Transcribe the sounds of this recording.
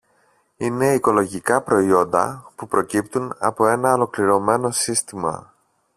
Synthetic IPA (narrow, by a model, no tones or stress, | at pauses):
ine̞iko̞lo̞ʝikɐpɾo̞io̞nd̪ɐ̰pupɾo̞cipt̪unɐ̰po̞e̞nɐolo̞kliɾo̞me̞no̞sist̪imɐ̰